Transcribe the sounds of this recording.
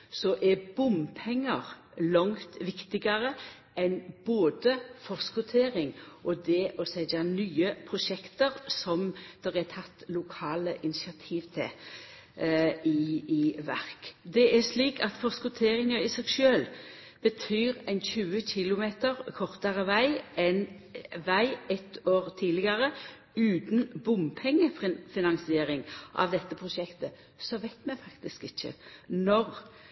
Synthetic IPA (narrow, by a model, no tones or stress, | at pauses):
sɔʔɛbʊmpʰɛŋːəʁ | lɔŋt̪ʋɪkt̪ɪɡɑʁə | ɛnboːd̪əfɔskʊt̪ʰeːʁɪŋʔɔd̪ɛʔɔsɛɪd̪ɑnyːəpʰʁʊʃɛkt̪əʁsɔmd̪̥ɛʁɛt̪ʰɑt̪ːlʊkʰɑːləʔɪnɪsɪɑt̪ʰiːʋt̪ʰɛ̰ | ɪɪʋæʁkd̪ɛæʂliːkɑt̪fɔʁskʊt̪ʰeːʁɪŋəɾɪsɛɡʃøːl | b̥ət̪ʰyːɾæɪnçʉːəçɪlʊmeːt̪əʁkʰɔʁt̪əʁəʋæɪɛn | ʋæɪɛt̪oːʁt̪ʰiːlɪɡəʁə | ʉːt̪n̩bʊmpʰɛŋːəffɪnɑŋsɪeːɾɪŋʔɑ̰ʋd̪ɛt̪ːəpʰʁʊʃɛkt̪ə | sɔʋæɪt̪mɛfɑkt̪ɪskɪçːə̰nɔʁ